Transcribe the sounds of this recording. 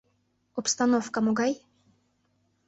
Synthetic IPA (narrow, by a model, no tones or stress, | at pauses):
ɔpst̪anɔfkamɔɡaj